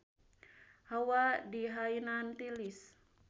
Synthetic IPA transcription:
hawadiɦainant̪ilis

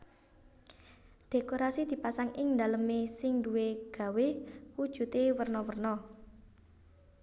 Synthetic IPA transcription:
d̪̥e̤koɾasid̪̥i̤pasaŋɪŋnd̪a̤ləmesɪŋd̪uweɡ̥ä̤wewud̥ʒ̥ṳt̪ewərnɔwərnɔ

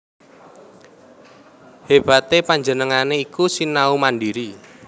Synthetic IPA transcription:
heb̥a̤t̪epaɲd͡ʒənəŋaneikusinaumandiɾi

